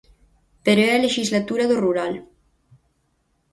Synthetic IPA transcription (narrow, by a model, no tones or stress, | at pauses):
peɾoɛaleʃizlat̪uɾaðoruɾal